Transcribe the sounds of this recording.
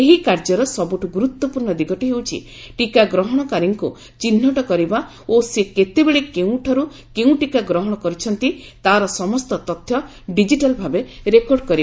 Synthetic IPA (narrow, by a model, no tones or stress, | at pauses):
eɦikaɾd͡ʒɔɾɔsɔbuʈuɡuɾut̪wɔpuɾɳɔd̪iɡɔʈiɦewt͡ʃʰḭ | ʈikaɡɾɔɦɔɽ̃ɔkaɾiŋku | t͡ʃinːɔʈɔkɔɾiba | oseket̪ebeɭekeũʈʰɔɾu | keũʈikaɡɾɔɦɔɽ̃ɔkɔɾit͡ʃʰɔnt̪it̪aɾɔsɔmɔst̪ɔt̪ɔt̪ʰjɔ | ɖid͡ʒiʈalbʱabeɾekɔɾɖkɔɾia